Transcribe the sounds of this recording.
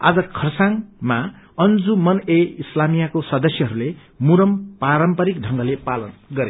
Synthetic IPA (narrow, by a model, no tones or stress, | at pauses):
a̰d͡zʌkʰʌrsaŋma | ʌnd͡zumʌneislamijakosʌd̪ʌsjʌɦʌɾule | muɾʌmpaɾʌmpʌɾikɖʱʌŋɡʌlepalʌnɡʌɾe